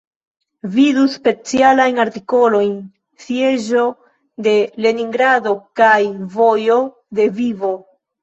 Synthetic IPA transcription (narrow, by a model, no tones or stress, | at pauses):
viduspe̞t͡sialajnaɾtiko̞lo̞jn | sje̞ʒo̞ | de̞le̞niŋɡɾado̞kajvo̞jo̞ | de̞vivo̞